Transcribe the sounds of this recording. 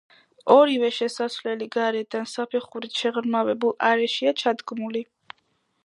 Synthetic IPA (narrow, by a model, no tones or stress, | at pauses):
ɔɾivɛʃɛsasvlɛliɡaɾɛd̪ansapʰɛχuɾit̪ʃɛʁɾmavɛbulˠaɾɛʃiat͡ʃʰad̪ɡmuli